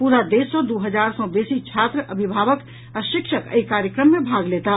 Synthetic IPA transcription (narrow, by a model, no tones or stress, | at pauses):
puɾad̪esɔd̪uɦəd͡ʒaɾsɔb̪esit͡ʃʰat̪ɾəʔəbʱibʱaʋək | aʃikʃʰəkə̰ikaɾjəkɾəmːebʱaɡlet̪a